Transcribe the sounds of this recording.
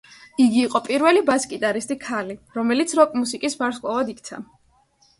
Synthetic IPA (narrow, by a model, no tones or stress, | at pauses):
iɡiːqʼɔpʼiɾvɛlibaskʼit̪ʼaɾist̪ʼikʰaliɾɔmɛlit̪sʰɾɔkʼmusikʼisbaɾskʼavad̪ik̚ʰt̪sʰa̰